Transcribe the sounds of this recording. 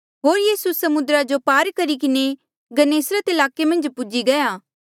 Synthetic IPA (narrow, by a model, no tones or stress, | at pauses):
ɦoːɾjiːsusɐmʊd̪ɾad͡ʒopaːɾkɐɾik̬ɪne | ɡɐneːsɾat̪ɪlaːkemɐ̃nd͡ʒpʊd͡ʒiɡɐjaː